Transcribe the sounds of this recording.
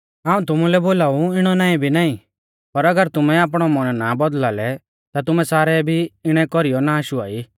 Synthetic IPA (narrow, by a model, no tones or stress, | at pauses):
aːũt̪ʊmulɛboːlaːuɪɽ̃ɔnaːĩbʱinaːĩ | pɐɾɐɡəɾt̪ʊmɛaːp̬ɽ̃ɔmɔɽ̃nabɔd̪laːlɛ | t̪at̪ʊmɛsaːɾɛbʱiɪɽ̃ɛkɔɾijɔnaːʃua̰ːi